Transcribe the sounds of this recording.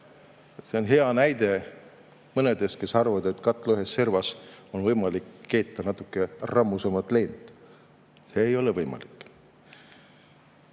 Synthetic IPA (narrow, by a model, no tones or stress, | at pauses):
se̞o̞nɦe̞ɑnæjd̪̥e̞ | mɤne̞d̪e̞ske̞sɑrvɑd̪e̞t̪ːˑkɑt̪ːˑlyhesːervɑsonvɤjmɑlikːe̞ːt̪ːɑnɑt̪ːˑukːˑe̞rɑmːusemɑt̪ːˑle̞ːnd̪̥ˑ | se̞ːjo̞levɤjmɑ̰likːˑ